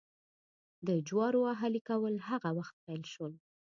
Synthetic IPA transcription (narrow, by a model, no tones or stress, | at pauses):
d̪əd͡ʒwɑɾoaɦalikawəlhaɣawaxt̪̚pajlʃwəl